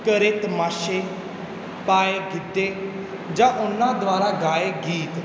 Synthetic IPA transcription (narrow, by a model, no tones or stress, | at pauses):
kəɾɪt̪maːʃeː | paːeːɡɪd̪ːeː | d͡ʒãːʔʊnːãːd̪ʊaːɾaːɡaːeːɡiːt̪